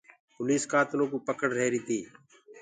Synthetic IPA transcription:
pʊliːskaːt̪lõːkuːpəkəɽɾeːɾiːt̪iː

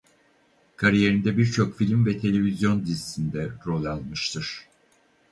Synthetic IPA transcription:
kʰaɾije̞ɾind̪ɛbiɾt͡ʃʰo̞kfilʲmvɛt̪ʰe̞lʲe̞vizjo̞nd̪izisʰind̪ɛɾo̞lʲˠalˠmɯʃt̪ʰɯɾ̥

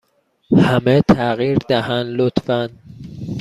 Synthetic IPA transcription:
hæmet̪ʰæɣiːɾd̪æhænlot̪fænd̪

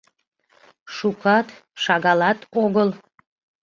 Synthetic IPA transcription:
ʃukɑt̪ʃɑɣɑlɑt̪oɣəlˠ

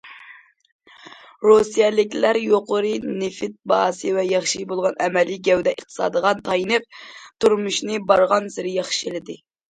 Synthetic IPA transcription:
ɾosijɛlɪkʲlæɾjoqʊɾɨnɪfɪt̪̚bɑːsɨvɛjɑχʃibolˠʁɑnɛmɛliɡʲɛwd̪ɛʔəχt̪ʰɨ̥sɑ̰ːd̪əʁɑnt̪ʰɑjinɨp̚t̪uɾmuʃnɨbɑɾʁɑnsɪɾɪjɑχʃilɪd̪ɪ

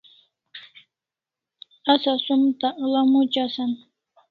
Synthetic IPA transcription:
asasʊmt̪aʔlamʊt͡ʃasan

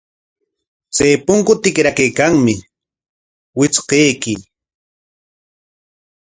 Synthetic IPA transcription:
t͡sajpʊŋkʊt̪ɪkɾakajkaŋmɪ | wɪt͡sqejkɪ

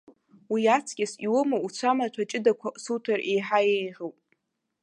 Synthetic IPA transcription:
wiat͡sʰkʲʼɪsiwʊmaut͡ɕʷʰamatʷʰat͡ʃʼɪdakʷʰaʔsutʰarejħajejħowpʼ

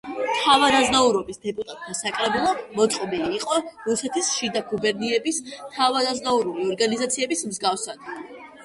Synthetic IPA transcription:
t̪ʰavad̪aznauɾɔbisd̪ɛpʼut̪ʼat̪ʼmasakʼɾɛbilˠɔmɔt̪sʼqʼɔbiliːqʼɔɾusɛt̪ʰisʃid̪aɡubɛɾniɛbist̪ʰavad̪aznauɾuliɔɾɡanizat̪sʰiɛbismzɡafsad̪

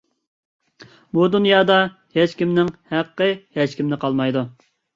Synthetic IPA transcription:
bud̪unjɑːd̪ɑ | heʃkʲimnɪŋhæqːəhɛʃkʲimnɪqʰɑlˠmɑjd̪u

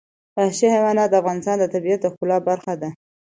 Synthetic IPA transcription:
ahʃehewanɑd̪əafɣɑnɪst̪ɑnd̪ət̪abiat̪əxkʊlɑbaɾxad̪a

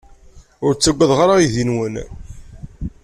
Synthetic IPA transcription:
ʊɾt͡sːəɡʷːəðʁaɾaiðinwən

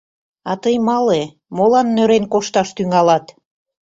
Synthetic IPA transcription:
ɑt̪əjmɑle | molɑnːøɾenkoʃt̪ɑʃt̪yŋɑlɑt̪

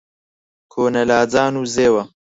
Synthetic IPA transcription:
kʰoːnɐlaːd͡zaːnuːzeːwɐ

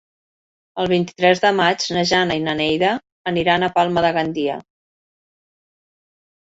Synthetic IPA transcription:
əlˠβ̞int̪i̥t̪ɾɛzðəmad͡ʒnəʒanəinənɛjðəː | niɾanəpalˠməðəɣand̪iə̰

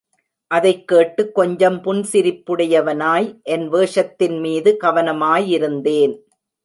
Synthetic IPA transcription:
ʔɐðɐɪkːeːʈːɯkːɔɲd͡ʒɐmpʊnsɪɾɪpːɯɽɐjɐʋɐnaːjʔɛnʋeːʂɐt̪ːɪnmiːðɯkɐʋɐnɐmaːjɪɾɯnd̪eːn

